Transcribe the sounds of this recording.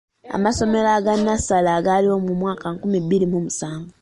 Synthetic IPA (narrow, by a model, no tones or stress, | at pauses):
a̰maso̞me̞laːɡanːasalaɡaliwomumwaːkaŋkumiβiɾimumusaːŋɡo